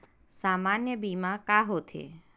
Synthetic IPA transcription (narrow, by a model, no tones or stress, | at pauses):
samanjəbimãkaɦot̪ʰḛ